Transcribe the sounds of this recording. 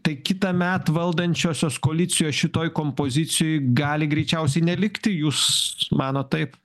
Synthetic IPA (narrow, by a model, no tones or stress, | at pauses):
t̪ɐɪkʲɪt̪ɐmʲɛt̪ʋɐlˠd̪ɐnʲt͡ʃʲoːsʲoːskoːlʲɪt͡s̪ʲɪjoːʃʲɪt̪oːjkoːmpoːzʲɪt͡s̪ʲɪjoːjɡɑːlʲɪɡɾʲɛɪt͡ʃʲɛʊs̬ʲɛɪnʲɛlʲɪkt̪ʲɪjuːsmɑːnoːttɐɪp